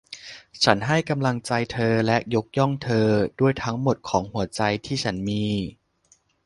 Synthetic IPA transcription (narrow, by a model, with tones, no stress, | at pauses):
t͡ɕʰa˦˥nɦa˥˩jka˧mla˧ŋt͡ɕa˧jt̪ʰɤː˧lɛ˦˥ʔjo˦˥k̚jɔ˥˩ŋt̪ʰɤː˧du˥˩əjt̪ʰa˦˥ŋmo˨˩t̪̚kʰɔː˩˦ŋhu˩˦ɐt͡ɕa˧jt̪ʰiː˥˩t͡ɕʰa˦˥nmiː˧